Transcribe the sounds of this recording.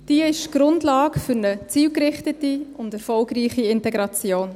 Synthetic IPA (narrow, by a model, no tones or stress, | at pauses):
d̥iəɪʃɡ̥ɾʊndlɑːkfʏɾnət͡siːlkɾɪχtətiʊndɛɾfɔlɡɾiːχiɪntɛɡɾɑt͡sjoːn